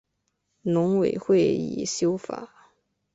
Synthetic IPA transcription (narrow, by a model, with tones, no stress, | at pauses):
nʊ˧˥ŋwe˨˩ɪxwe˥˩ɪḭ˨˩ɕjo˥ʊfa̰˨˩˦